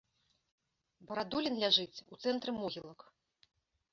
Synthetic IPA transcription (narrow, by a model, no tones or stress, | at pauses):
bɐɾad̪ulʲinlʲaʐɨt͡sʲut̪sɛnt̪ɾɨmɔɣʲilˠɐk